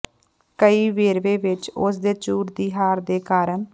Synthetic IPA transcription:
kəiːʋeːɾʋeːʋɪt͡ʃʊs̬d̪eːt͡ʃuːɾd̪iːɦaːɾd̪eːkaːɾəɳ

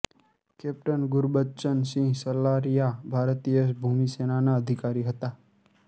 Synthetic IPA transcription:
keːp̚ʈənɡʊɾbətːt͡ʃənsĩsəlaːɾijabʱaːɾt̪ijəsbʱumiseːnanaəd̪ʱɪkaːɾiɦət̪aː

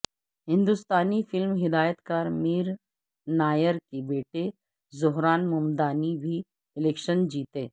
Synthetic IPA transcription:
ɦɪ̃nd̪ʊst̪aːnifɪlmɦɪd̪aːjət̪kaɾmiːɾ | naːjəɾkebeːʈe | zʊɦɾaːnmʊmd̪aːnibʱi | ɪleːkʃənd͡ʒiːt̪eː

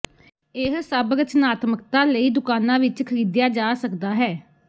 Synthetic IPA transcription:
ɪɦsəbɾət͡ʃnaːt̪məkt̪ãːləiːd̪ʊkaːnãːʋɪt͡ʃkʰəɾiːd̪jaːd͡ʒaːsəkd̪aːɦɛː

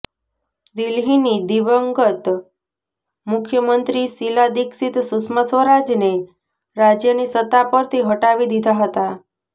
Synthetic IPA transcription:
d̪ilɦinid̪iʋəŋɡət̪ | mʊkʰjəmənt̪ɾisilad̪iksit̪susməsʋəɾad͡ʒne | ɾad͡ʒjənisət̪ːapəɾt̪ʰiɦəʈaʋid̪id̪ʱaɦət̪a

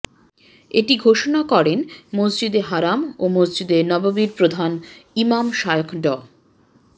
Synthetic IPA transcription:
eʈiɡʱoʃonakɔɾenmosd͡ʑid̪eɦaɾamomosd͡ʑid̪eɾnɔbabiɾpɾod̪ʱanimamʃajokʰɖɔ

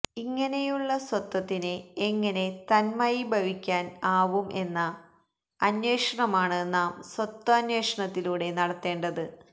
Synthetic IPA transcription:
iŋːɐne̞juɭːɐswɐt̪ːɐt̪ːineeŋːɐne̞t̪ɐnmɐjibʱɐʋikʲːaːnaːʋumʔe̞nːɐ | ɐnjweːʂɐɳɐmaːɳɨnaːmswɐt̪ːɐɐnweːʂɐɳɐt̪ːiluːɽe̞nɐɽɐt̪ːe̞ːɳɖɐðɨ

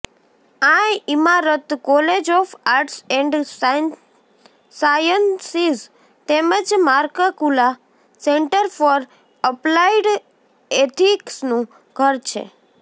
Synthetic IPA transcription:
ãimaɾət̪kɔled͡ʒɔfaɾʈsɛɳɖ | sajənsiz | t̪eməd͡ʒmaɾkakula | seɳʈəɾfɔɾ | əplaiɖ | et̪ʰiksnũ | ɡ̥ʱəɾt͡ʃʰḛ

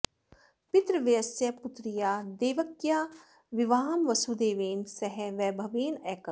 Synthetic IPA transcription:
pɪt̪ɾəʋijɐsjɐput̪ɾijaːd̪eːʋɐkjaː | ʋɪʋaːɦɐmʋɐsud̪eːʋeːnsɐɦɛʋɛːbʱɐʋeːnɛːkə

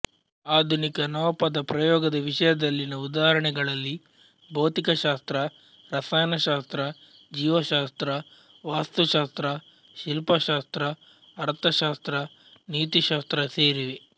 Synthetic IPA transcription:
aːd̪ʱunikɐnɐʋɐpɐd̪ɐpɾɐjɔːɡɐd̪ɐʋiʂɐjɐd̪ɐlːinɐud̪aːɦɐɾɐɳɛɡɐɭɐlːi | bɐwt̪ikɐʃaːst̪ɾɐ | ɾɐsaːjnɐʃaːst̪ɾɐ | d͡ʒiːʋɐʃaːst̪ɾɐ | ʋaːst̪uʃaːst̪ɾɐ | ʃilpɐʃaːst̪ɾɐː | ɾt̪ʰɐʃaːst̪ɾɐ | niːt̪iʃaːst̪ɾɐseːɾiʋe

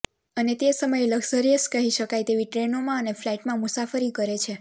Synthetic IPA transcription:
ənet̪esəməjləɡsəɾijəskəɦiʃəkajt̪eʋiʈɾenomãəneflaiʈmãmʊsafəɾikəɾet͡ʃʰe

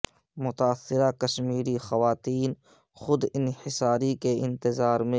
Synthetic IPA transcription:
mʊt̪aːsːɪɾakɐʃmiːɾixɐʋaːt̪iːn | xʊd̪ɪnhɪsaːɾikeɪ̃nt̪ɪzaːɾmẽ

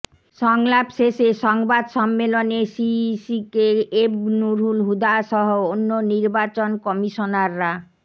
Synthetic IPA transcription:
ʃɔŋlapʃeʃeʃɔŋbad̪ʃɔmːelonesisikeebnuɾɦulɦud̪aʃɔɦoonːoniɾbat͡ɕonkɔmiʃonaɾːa

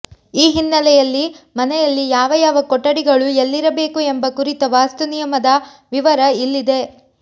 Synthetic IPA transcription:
iːɦinːɐlɛjɐlːimɐnɛjɐlːijaːʋɐjaːʋɐkɔʈːɐɽiɡɐɭujelːiɾɐbe̞ːkue̞mbɐkuɾit̪ɐʋaːst̪unijɐmɐd̪ɐ | ʋiʋɐɾɐilːid̪e̞

